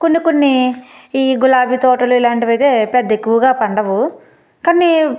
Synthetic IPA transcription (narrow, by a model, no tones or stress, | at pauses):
konːikonːiiːɡulaːbʱit̪ɔːʈɐluilaːɳʈiʋɐjt̪e̞ːpɛd̪ːɐe̞kːuʋɐɡaːpɐɳɖɐʋu | kɐnːi